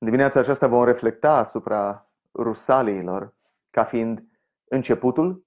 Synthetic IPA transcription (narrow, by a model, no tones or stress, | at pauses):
nd̪imineat̪sat͡ʃast̪avo̞mre̞fle̞k̚t̪aːsupɾa | rusaliːlo̞̰r | kafiind̪ | ɨnt͡ʃe̞put̪ul